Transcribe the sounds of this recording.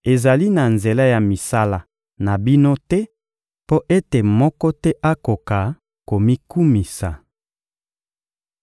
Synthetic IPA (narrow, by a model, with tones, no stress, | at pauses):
e˨za˨li˦na˨nze˨la˦ja˨mi˨sa˦la˦ | na˨bi˦no˦tɛ˦ | po˦ʔe˦te˨mɔ˦kɔ˦tɛ˦ʔa˦ko˨ka˨ | ko˨mi˦ku˦mi˨sa̰˨